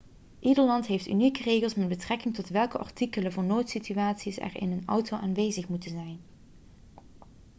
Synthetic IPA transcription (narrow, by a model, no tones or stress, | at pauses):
ʔidəɹlɑntɦejftynikərejɣəlˠsmɛd̚bətrɛkɪŋtɔtʋɛlˠkəʔɑ̰ɹtikələvʊːɹnoːtsityʋaːtsisɛ̰rɪ̰nənɔwtowʔaːnʋejzəχmutənzɛjn